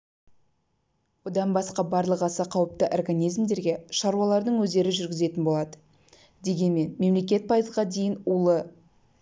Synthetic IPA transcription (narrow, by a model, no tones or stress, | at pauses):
wo̞d̪ɑnbɑsqɑbɑɾlˠəqɑsɑqʰɑwəp̚t̪əʔorɡanʲijzmd̪e̞ɾɡʲe̞ʃɑɾuɑlˠɑɾd̪əɴwɵzd̪e̞ɾɪʒʏɾɡʲɪze̞t̪ɪnbo̞lˠɑd̪ə | d̪e̞ɡʲe̞nme̞nme̞mle̞kʲe̞t̪̚pʰɑjəzʁɑd̪e̞jɪnulˠə